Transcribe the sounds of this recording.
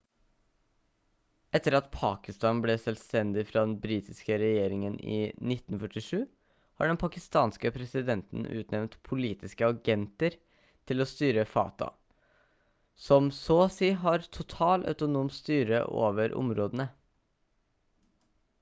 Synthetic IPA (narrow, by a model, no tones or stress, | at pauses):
ʔɛt̪ːəɾɑt̪pʰɑːkɪst̪ɑːnblɛsɛlst̪ɛnd̪ɪfɾɑːd̪ɛnbɾiːt̪ɪskəɾɛjeːɾɪŋənḭːnɪt̪ːn̩fœʈɪʂʉː | hɑ̰ɖɛnpʰɑkɪst̪ɑːnskəpʰɾɛsɪd̪ɛnt̪n̩ʉ̰ːt̪nɛʋnt̪pʰʊliːt̪ɪskəɑɡɛnt̪əɾ | t̪ʰɪlost̪yːɾəfɑ̰ːt̪ʰɑ̰ | sɔmsoːsiːɦɑɾt̪ʰʊt̪ʰɑːlʔœ̰ʉt̪ʊnuːmst̪yːɾə̰ʔo̰ːʋəɾʔʊ̰mɾoːd̪ənə